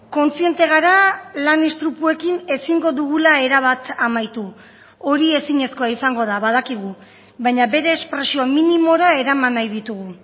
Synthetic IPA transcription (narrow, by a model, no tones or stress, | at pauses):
ko̞nt͡sie̞nt̪e̞ɣ̞aɾalanist̪ɾupue̞kine̞siŋɡo̞ðuɣulae̞ɾaβ̞at̪amajt̪u | o̞ɾie̞siɲe̞sko̞aisaŋɡo̞ð̞aβað̞akiɣ̞u | βajɲaβe̞ɾe̞ːspɾe̞sioaminimo̞ɾae̞ɾamanːajðit̪uɣ̞u